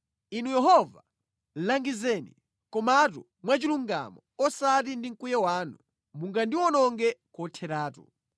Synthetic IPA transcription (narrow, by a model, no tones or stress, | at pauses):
inujɛɦɔva̰ | laŋɡizɛnḭ | kɔmatu | mwat͡ʃiluŋɡa̰mɔɔsat̬indiŋ̩kujɛwaːnu | muŋɡandiwɔnɔŋɡɛkɔtʰɛɾaːtṵ